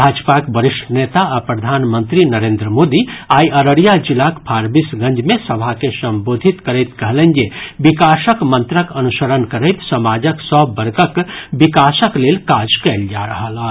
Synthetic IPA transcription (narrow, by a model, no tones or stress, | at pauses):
bʱaːd͡ʒpakbəɾɪʃʈʰənet̪aapɾəd̪ʱaːnmə̃nt̪ɾinəɾeːnd̪ɾəmoːd̪iaːiəɾəɽijad͡ʒilakpʰaɾbisɡə̃ɲd͡ʒmẽsəbʱakesə̃mbod̪ʱit̪kəɾəɪt̪kəɦlə̃nd͡ʒebikasəkmə̃nt̪ɾəkənusəɾənkəɾəɪt̪səmad͡ʒəksɔbːəɾɡəkbikasəklelkad͡ʒkɛɪld͡ʒaɾəɦəla